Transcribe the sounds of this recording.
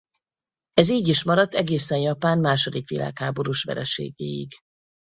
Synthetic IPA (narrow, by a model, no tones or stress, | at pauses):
ɛziːɟiʃmɒɾɒt̪ːɛɡeːsɛnjɒpaːnmaːʃo̞d̪ikʋḭlʔa̰ːkhaːbo̞ɾuːʃʋɛ̰ɾɛʃḛːɡḛːḭɡ